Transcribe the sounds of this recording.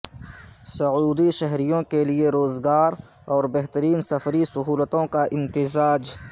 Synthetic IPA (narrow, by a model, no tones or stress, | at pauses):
sɐuːd̪iʃɐɦɾijõkelieɾoːzɡaːɾ | ɔːɾbɛɦt̪əɾiːnsɐfɾisɐɦuːlət̪õkaʔɪmt̪ɪzaːd͡ʒ